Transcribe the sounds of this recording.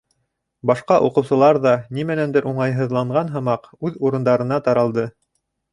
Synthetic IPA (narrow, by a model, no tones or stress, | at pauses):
bɑʃqɑʔuqɤ̆wsɤ̆lˠɑɾðɑnimænænd̪ɘɾʔuɴɑjɦɤ̆ðlˠɑɴɢɑnɦɤ̆mɑqʉðuɾɤ̆nd̪ɑɾɤ̆nɑt̪ɑɾɑlˠd̪ɤ